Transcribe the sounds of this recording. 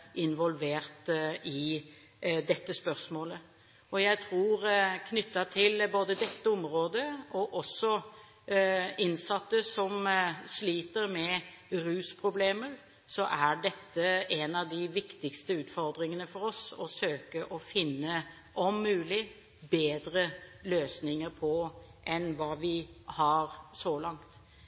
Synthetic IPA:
ʔɪnʋɔlʋeːɾt̪ɪ | d̪ɛt̪ːəspœɾsmoːlə | ɔjæɪt̪ʰɾuːɾkʰnʏt̪ːɑt̪ʰɪlboːd̪əd̪ɛt̪ːəʊmɾoːd̪əɔʔɔsːɔ | ɪnsɑt̪ːəsɔmsliːt̪əɾmɛ | ɾʉːspʰɾʊbleːməɾ | sɔʔæɖɛt̪ːəɛnɑʋd̪ɪʋɪkt̪ɪkst̪əʉːt̪fɔɾd̪ɾɪŋənəfɔɾɔsɔsøːkəʔɔfɪnːə | ʔɔmːʉːlɪ | beːd̪ɾəløːsnɪŋəɾpʰɔʔɛnʋɑːʋɪhɑɾsɔlɑŋt̪

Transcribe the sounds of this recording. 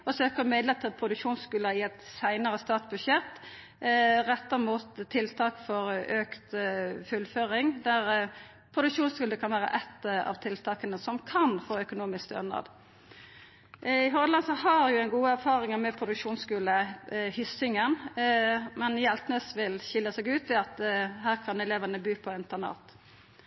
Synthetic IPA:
ɔsøːkəmɛd̪lət̪ʰːɪlpʰɾʊd̪ʉkʂuːnskʉːlɑɪɛt̪sæɪnəʁəst̪ɑːt̪bʉʃɛt̪ː | ʁɛt̪ːəʁmuːt̪ʰːɪlt̪ʰɑːkfɔɾøːkt̪fʉlføːɾɪŋd̪æʁ | pʰɾʊd̪ʉkʂuːnskʉːləkʰɑnʋæːʁə̰ʔɛt̪ːɑ̰ʋt̪ʰɪlt̪ʰɑːkənəsɔmkʰɑnfoːœkʊnuːmɪskt̪ø̰nɑ̰d̪ | ɪɦɔd̪lɑnsəɦɑɾjʊɛɪnɡuːəæɾfɑːʁɪŋəmɛpʰʊd̪ʉkʂuːnskʉːləhʏsɪŋən | mɛnjɛlt̪ənəsʋɪlçɪlːəsɛɡʉːt̪ʋɪɑt̪ɦæːʁkʰɑnɛleːʋənəbyːpʰɔɪnt̪ənɑ̰ːt̪

